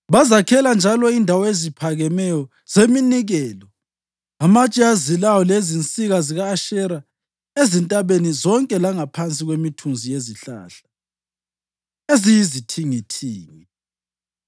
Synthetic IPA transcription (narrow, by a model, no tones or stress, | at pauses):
βazakʰɛland͡ʒʱalɔindʱawɔezipʰaɣɛmɛjɔ | z̥eminiɣɛːlɔ | amat͡ʃʼiazilawɔlezint͡sʼiɣaziɣaːʃɛɾa | ezintʼaβenizɔŋkʼɛlaŋapʰant͡sʼiɣwemitʰunzijeziɬa̰ːɬḁ | ezijizitʰiŋitʰiːŋi